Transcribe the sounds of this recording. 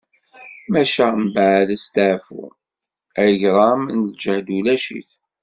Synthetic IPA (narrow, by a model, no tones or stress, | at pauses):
mæʃæmbaʕləst̪əʕfṵ | əʝɾˤɑmnd͡ʒəhd̪ulæʃḭθ